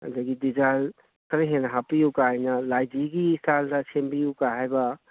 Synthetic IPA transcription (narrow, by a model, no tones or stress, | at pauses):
daɡidid͡ʒal | kəɾiɦenaɦapijukajnalajd͡ʒiɡisaldat͡ʃʰembijukaɦajba